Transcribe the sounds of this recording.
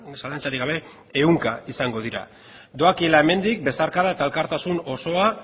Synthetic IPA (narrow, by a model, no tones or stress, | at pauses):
salant͡saɾiɡaβe̞ | euŋkaisaŋɡo̞ð̞iɾa̰ | d̪o̞akielae̞me̞nd̪ik̚be̞saɾkaðaet̪aelkaɾt̪asuno̞so̞a